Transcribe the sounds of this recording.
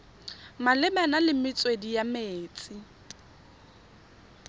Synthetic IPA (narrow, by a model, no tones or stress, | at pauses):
malɪmɛnalɪmɪt͡sʼwedijameːt͡sʼɪ